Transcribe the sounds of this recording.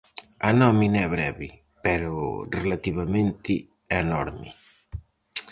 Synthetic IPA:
anɔminɛβɾɛβi | peɾorelat̪iβamẽnt̪ɪ | enɔɾmi

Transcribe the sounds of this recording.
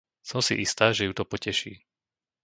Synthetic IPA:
sɔmsḭʔist̪aːʒɛjut̪ɔpɔcɛʃḭː

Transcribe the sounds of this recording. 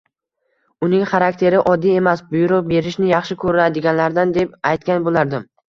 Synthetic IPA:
ʊnɪŋχaɾakʲt̪ʰe̞ɾɪʔɒd̪ːije̞masbʊjʊɾʊqbe̞ɾɪʃnɪjɑχʃɪkʰɵɾɪnad̪ɪɡʲanlaɾd̪and̪e̞p̚ajt̪kʲanbolaɾd̪ɪm

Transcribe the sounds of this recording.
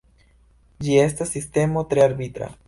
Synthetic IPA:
d͡ʒie̞stasːiste̞mot̪ɾeaɾbit̪ɾa̰

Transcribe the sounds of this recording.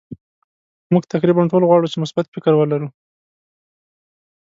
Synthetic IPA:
muɡt̪akɾibaɳʈolɣwɑɽut͡ʃemʊsbat̪fɪkəɾwəlaɾu

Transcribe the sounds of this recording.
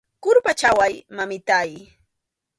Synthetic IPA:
kʊɾpat͡ʃawajmamɪt̪aj

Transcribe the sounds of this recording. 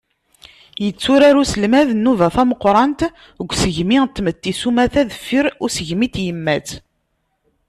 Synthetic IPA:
jət͡sːuɾæɾusəlmæðnːuvæθæməqːɾˤɑnt̪ | əɡʷːsəʝmiʁt̪ːmət̪ːisumæθæðəfːiɾʊɾsəʝmit̪jəmːæt͡s

